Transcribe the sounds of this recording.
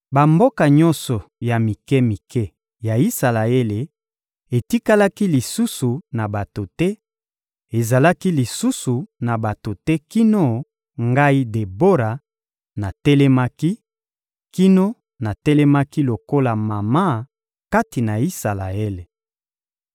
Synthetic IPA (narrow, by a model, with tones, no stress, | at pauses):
ba˨mbo˦ka˨ɲɔ˦nsɔ˨ja˨mi˨kɛ˦mi˨kɛ˦ | ja˨i˦sa˨la˨e˦le˨ | e˨ti˦ka˦la˦ki˦li˨su˦su˨na˨ba˨to˨tɛ˦ | e˨za˨la˦ki˦li˨su˦su˨na˨ba˨to˨tɛ˦ki˦no˦ | ŋɡa˦i˦de˨bo˦ɾa˨ | na˨tɛ˦lɛ˦ma˦ki˦ | ki˦no˦ | na˨tɛ˦lɛ˦ma˦ki˦lo˨ko˦la˨ma˨ma˦ | ka˦ti˨na˨i˦sa˨la˨e˦le˨